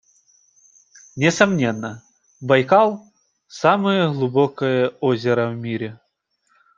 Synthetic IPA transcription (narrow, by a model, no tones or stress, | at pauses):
nʲɪsɐmnʲenːə | bɐjkalˠ | samɨjəɣlˠʊbokəjəozʲɪɾəvmʲiɾʲɪ